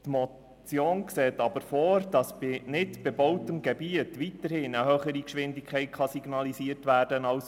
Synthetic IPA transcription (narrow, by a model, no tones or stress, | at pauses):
tmɔ | t͡sjoːnkseːtɑbəɾfɔːɾd̥ɑsb̥ɪnɪtb̥ɛbɔwtəmɡɛbiətʋitəɾhɪnəhœχəɾikʃʋɪndɪkʰχɛɪt̚χɑsiɡnɑlisiərtʋæːrdənɑws